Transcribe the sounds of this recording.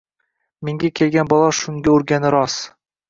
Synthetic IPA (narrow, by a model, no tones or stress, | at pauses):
meŋɡʲakʲʰe̞lɡʲanbɒlˠɑʃʊŋɡʲaoɾɡʲanɪɾɒs